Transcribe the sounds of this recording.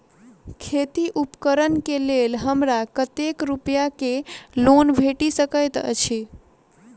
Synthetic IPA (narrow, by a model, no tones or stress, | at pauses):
kʰet̪iʔupkəɾənkelelɦəmɾakət̪ekɾupjakelonbʱeʈisəkəjt̪ə̰t͡ʃʰe